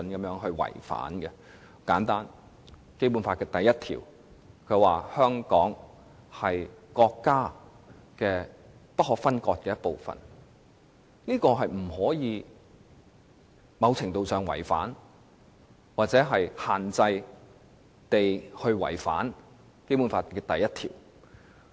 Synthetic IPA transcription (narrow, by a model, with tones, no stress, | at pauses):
nkɐ˨˦mjœː˨˥ŋɦɵ˧ɥwɐ̰˨˩jfa̰ː˨˥nɡɛ˧ | kaː˨˥nt̪aː˥n | ke˥jp̬u˨˥nfaː˧t̚kɛː˧t̪ɐ˨jɐ˥t̚t̪ʰḭː˨˩w | kʰɵ˨˧ɥwaː˨˩hœː˥ŋkɔː˨˥ŋ | hɐ˨jkɔː˧kːaː˥ | kɛː˧ | pɐ˥t̚hɔː˨˧k̚fɐ˥nkɔː˧t̚kɛː˧jɐ˥t̚po˨wfɐ̰˨n | niː˥kɔː˧ɦɐ˨jm̩˨˩hɔː˨˥jiː˨˧ | mɐ˨˧wt͡sʰɪ˨˩ŋt̪o˨˧wsœː˨ŋwɐ̰˨˩jfa̰ː˨˥n | waː˨t̚t͡sɛː˨˥ɦɐ˨jhaː˨nt͡sɐ˧j | t̪e˨jhɵ˧ɥwɐ̰˨˩jfa̰ː˨˥n | ke˥jpuː˨˧˥nfaː˧tkɛː˧t̪ɐ˨jɐ˥t̪ʰḭː˨˩w